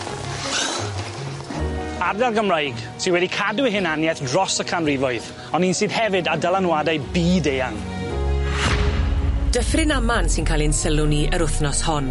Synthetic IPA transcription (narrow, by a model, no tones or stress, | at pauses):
ardɛlˠɡəmrajɡ | tʰiwɛdikʰadwɪɦɪnanjɛθdrɔsəkʰanrivɔɨð | ɔniːnsiːðhɛvɨdadəlˠanwadajbiːdejaŋ | d̥əfrɪnamansɪnkʰalˠinsəlˠʊniʔəɾʊθnɔshɔn